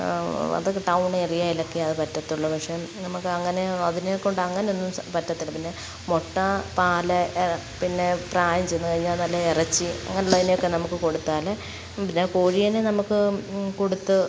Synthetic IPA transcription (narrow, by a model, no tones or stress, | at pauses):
ɐ̰ðokːeʈɐwɳerijaːjilɐkːiɐðɨpɐtːɐt̪ːiuɭːɐpɐkʂemnɐmukːɨɐŋːɐneɐðineokːoɳɖɐŋːɐnejonːumpɐtːɐt̪ːilpinːe | mo̞ʈːɐpaːlɐ | pinːe̞praːjɐmt͡ɕe̞junːɨkɐɻiɲːaːlnɐlːɐerɐt͡ɕːiɐ̰ŋːɐneuɭːɐðinejo̞kːe̞nɐmukːɨko̞ɽut̪ːaːle | pinːe̞koːɻijɐnenɐmukːɨko̞ɽut̪ːɨ